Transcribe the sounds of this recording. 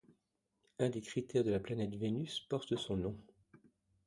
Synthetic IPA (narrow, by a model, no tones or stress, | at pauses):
ɛ̃d̪ekχit̪ɛʁd̪əlaplanɛt̪venyspɔʁt̪əsɔ̃nɔ̃